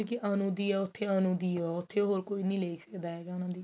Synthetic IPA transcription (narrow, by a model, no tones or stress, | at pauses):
õːkɪʔanũːd̪iːɛːʊt̪ʰːeːənũːd̪iːoɛːʊt̪ʰːeːɦoːɾkoːinĩːleːksəkd̪aːɦeːɡaːnãːd̪iː